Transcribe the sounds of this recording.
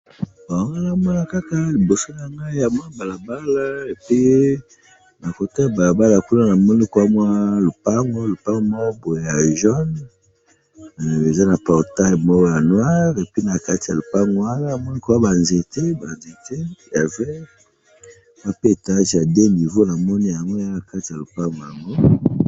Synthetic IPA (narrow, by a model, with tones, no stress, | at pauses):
ba˨ŋɡa˦na˦mɔ˦na˦ka˦ka˦li˨bo˨so˦ja˨ŋɡa˦ja˨m˦a˦ba˨la˨ba˦la˦e˨pi˦ | na˨ko˨ta˦ja˨ba˨la˨ba˦la˨ku˦na˦na˨mɔ˦ni˦kwa˦mwa˦lo˨pa˦ŋɡo˦lo˨pa˦ŋɡo˦mɔ˦bo˨e˨ja˨ʒɔ˦n˨ | e˨za˦na˨pɔ˨ʁta˦jmɔ˦kɔ˦ja˨nwa˦ʁe˨pi˦na˨ka˦ti˨ja˨lo˨pa˦ŋɡo˨˦a˦na˦a˨mɔ˦ni˦kwa˦ba˨nze˨te˦ba˨nze˨te˦ja˨vɛ˦ | ma˦pe˦˨ta˦ʒa˨de˦ni˨vo˦na˨mɔ˦ni˦ja˨ŋɡo˦ja˦a˨ka˦ti˨ja˨lo˨pa˦ŋɡo˨ja˨ŋɡo˦